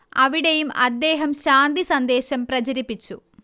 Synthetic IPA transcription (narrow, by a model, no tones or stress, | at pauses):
ɐʋiɽejumɐd̪ːe̞ːɦɐmɕaːnd̪isɐnd̪e̞ːɕɐmprɐt͡ɕɐɾipːit͡ɕːu